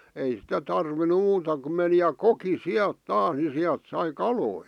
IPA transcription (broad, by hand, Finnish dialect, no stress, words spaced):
ei sitæ tɑrʋinu muːtɑ kum meni jɑ koki siælt tɑːs ni siælt sɑi kɑloi